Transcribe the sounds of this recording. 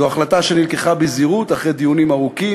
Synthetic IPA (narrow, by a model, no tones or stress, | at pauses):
oaχlat̪aʃenilkeχabeziʁut̪aχʁed̪ijunimaʁuki